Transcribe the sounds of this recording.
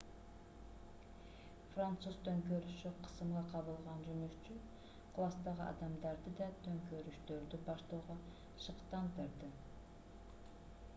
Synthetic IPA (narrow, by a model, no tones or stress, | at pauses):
frant̪suzt̪ʰøŋkøɾyʃyqʰə̥sɯmʁɑqʰɑβɯlˠʁɑnd͡ʒønyʃt͡ʃy | kʰlˠɑst̪ɑʁɯʔɑ̰d̪ɑmd̪ɑɾd̪ɯd̪ɑt̪ʰøŋkøɾyʃt̪ø̞ɾd̪ybɑʃt̪oːʁɑ | ʃɯqt̪ɑnt̪ɯɾd̪ɯ